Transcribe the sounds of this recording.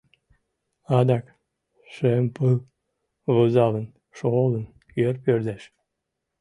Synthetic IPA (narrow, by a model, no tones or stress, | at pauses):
ɑd̪ɑk | ʃempɨl | βəzɑlən | ʃolən | køɾpjøɾd̪æʃ